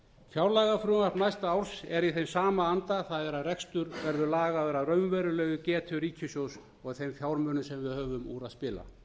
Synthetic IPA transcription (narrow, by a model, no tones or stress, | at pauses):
fjawɾlaɣafɾuːmaɾnajst̪aawɾsɛɾiθejmsaːmaant̪aθaðɛɾaðrɛkst̪ʏɾvɛɾðʏɾlaːɣaœɾaðrœɥmvɛːɾʏlœːɣʏcɛːt̪ʰʏɾiːcʰʏsjows | ɔɣθejmfjawɾmœnʏsɛmvɪðhœːvʏmṵːɾaðspɪːla̰